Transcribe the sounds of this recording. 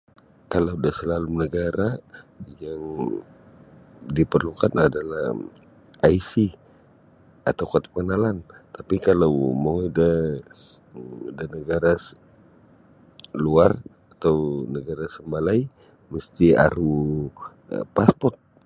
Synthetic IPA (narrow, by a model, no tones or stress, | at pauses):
kalawdahsəlalunəɡaɾajaŋ | dipərlukanadalah | ajsi | at̪awkat̪ḁp̚kənalant̪apikalawmoŋida | danəɡaɾas | luar | at̪awnəɡaɾasəmbalaj | məst̪ia̰ɾu | paspɔrt̪̚